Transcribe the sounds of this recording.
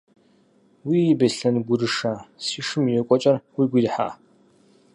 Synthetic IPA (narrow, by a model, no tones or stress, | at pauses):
wiːjibɐɬɐnɡʷʊɾɨʂaːsiːʂɨmjɛkʷʼɔt͡ʃʼɐrwiɡʷijħa̰ː